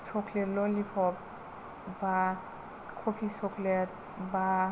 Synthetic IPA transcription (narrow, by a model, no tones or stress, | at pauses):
sɔkʰletlɔlipʰɔp̚ | ba | kʰopʰisɔkʰlet̚ | ba